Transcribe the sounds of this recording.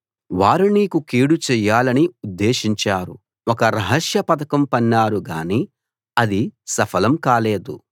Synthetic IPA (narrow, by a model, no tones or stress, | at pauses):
ʋaːɾuniːkukiːɽut͡ʃɛjːaːlɐniud̪ːeːʃiɲt͡ʃaːɾu | ɔkɐɾɐɦɐʂjɐpɐt̪ɐkɐmpɐnːaːɾuɡaːni | ɐd̪isɐpʰɐlɐmkaːleːd̪u